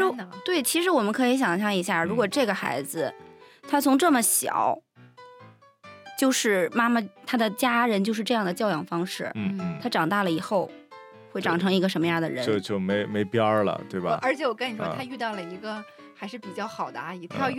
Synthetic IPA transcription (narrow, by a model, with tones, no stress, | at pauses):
t̪we˥˩ɪt͡ɕʰi˧˥ʂɻ̩˧˥wɔ˨˩mə˦˥nkʰɤ˧˥i˧˥ɕ̬jɑ˨˩ŋɕ̬jɑ˥˩ŋi˧˥ɕ̬ja˥˩ɻu˧˥kwɔ˨˩ʈ͡ʂɤ˥˩ɡə˩xa̰˧˥ɪd͡zɹ̩˧t̪ʰa˥t͡sʰʊ˧˥ŋʈ͡ʂɤ˥˩mə˩ɕjɑ̰˨˩˦ʊ | t͡ɕjo˥˧ʊʂɻ̩˥˩ma˥ma˨t̪ʰa˥d̪ə˨t͡ɕja˥ɻə˧˥nt͡ɕjo˥˧ʊʂɻ̩˥˧ʈ͡ʂɤ˥˧jɑ˥˩ŋd̪ə˩t͡ɕjɑ˥˧ʊjɑ˨˩ŋfɑ˥ŋʂɻ̩˥˩˥t̪ʰa˥ʈ͡ʂɑ˨˩ŋt̪a˥˩lə˩i˨˩xo˥˧ʊ | xwe˥˩ɪʈ͡ʂɑ˨˩ŋʈ͡ʂʰɤ˧˥ŋi˧˥ɡə˧ʂə˧˥nmə˧jɑ˥˩d̪ə̰˩ɻə˧t͡ɕo˥˧ʊt͡ɕjo˥˩ʊme˧˥ɪme˧˥ɪpjɑ˥lə̰˩t̪we˥˩ɪbɐ˧˩ə˞˧˥t͡ɕʰjɛ˧˥wɔ˨˩kə˥ni˨˩ʂwɔ˥˧t̪ʰa˥y˥˧t̪ɑ˥˩ʊlə˩i˧˥ɡə˧ | a˧˥ʂɻ̩˥˩pi˨˩t͡ɕjɑ˥˩ʊxɑ˨˩ʊd̪ə˦a˧˥i˧˥t̪ʰɑ˥˧˥